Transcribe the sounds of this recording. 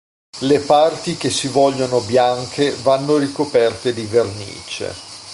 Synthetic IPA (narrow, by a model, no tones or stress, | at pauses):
lepart̪ik̟esːivɔʎːonobjaŋkʰevanːoɾikopɛrt̪ed̪ivernḭːt͡ʃḛ